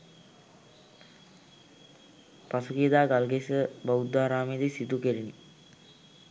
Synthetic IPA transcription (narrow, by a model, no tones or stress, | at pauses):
pasukiəd̪aːɡalɡesəbaud̪ːaːɾaːmed̪isit̪ukeɾini